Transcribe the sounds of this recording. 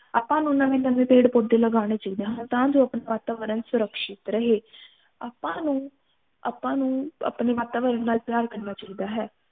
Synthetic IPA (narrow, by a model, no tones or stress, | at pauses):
aːpãːnũːnãːʋiːnəʋẽːpeːɽpoːd̪eːləɡaːɽ̃eːt͡ʃaːiːd̪ẽːɦə̃nt̪ãːd͡ʒõːəpneːʋaːt̪aːʋəɾənsʊɾəkʃɪt̪ɾəɦeː | aːpãːnũː | a̰pãːnũːə̰pneːʋaːt̪aːʋəɾənːaːlpjaːɾkəɾnaːt͡ʃaiːd̪aːɦɛː